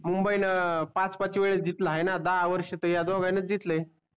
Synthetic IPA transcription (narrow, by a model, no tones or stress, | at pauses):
mumbəinəpãt͡spat͡ɕiʋeɭed͡ʑit̪laɦenad̪aɦaʋəɾɕət̪əjad̪ɔɡanət͡sd͡ʑit̪ləe